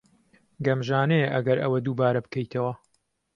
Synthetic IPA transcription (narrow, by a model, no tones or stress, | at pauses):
ɡɐmʒaːneʔɐ̰ɡɐɾʔɐwɐd̪uːbaːɾɐbɨkʰɐjt̪ʰɐwɐ